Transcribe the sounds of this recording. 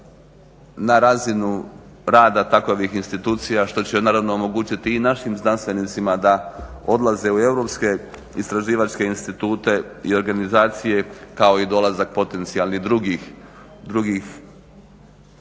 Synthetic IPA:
naɾazinu | ɾaːd̪at̪akoʋixinst̪it̪uːt̪sijaʃt̪o̞t͡ɕenaːɾaʋno̞omo̞ɡuːt͡ɕit̪iːnaʃimznanst̪ʋe̞nit̪simad̪ao̞d̪laze̞ue̞wɾo̞pske̞ | ist̪ɾaʒiːʋat͡ʃke̞inst̪it̪uːt̪e̞io̞ɾɡanizaːt̪sije̞kao̞id̪o̞lazak̚po̞t̪e̞nt̪sialnid̪ɾuɡi | d̪ɾuɡix

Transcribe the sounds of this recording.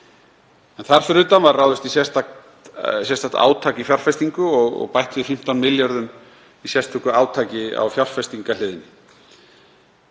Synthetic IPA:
ɛnθaɾ̥fɪɾʏt̪anvarːawðʏst̪isjɛst̪a | sjɛst̪aht̪a̰ːwt̪ʰaːkifjar̥fɛst̪iŋkʏɔɣɔ̰ɣpajht̪ʏðɪfɪm̥t̪awnmɪljaɾðʏm | isjɛst̪ʰɛkʏaːwt̪ʰaːcɪa̰wfjar̥fɛst̪iŋkalɪːðɪnːɪ

